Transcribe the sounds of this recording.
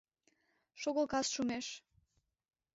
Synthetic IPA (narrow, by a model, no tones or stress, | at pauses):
ʃoɣolˠkɑsʃumeʃ